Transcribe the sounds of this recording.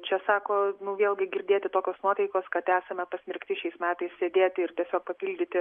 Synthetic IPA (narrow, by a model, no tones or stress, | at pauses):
t͡ʃʲɛsɑːkoːnʊʋʲeːlˠʲɡʲɪɡʲɪɾʲd̪ʲeːt̪ʲɪt̪oːkʲoːsnuɔt̪ɐɪkoːskɐt̪æːsɐmʲɛpɐsʲmʲɪɾʲkt̪ʲɪʃʲɛɪsmʲæːt̪ɐɪssʲeːd̪ʲeːt̪ʲɪɪrt̪ʲiɛsʲoːk̚pɐpʲiːlʲd̪ʲɪt̪ʲɪ